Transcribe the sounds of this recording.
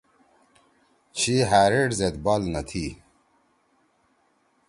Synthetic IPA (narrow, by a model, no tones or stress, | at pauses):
ɕiɦaːɾeɖzet̪baːlnɐt̪ʰi